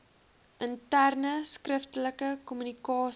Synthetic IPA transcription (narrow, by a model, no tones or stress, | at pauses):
ʔəntærnəskrəftələkəkɔmynikɑːs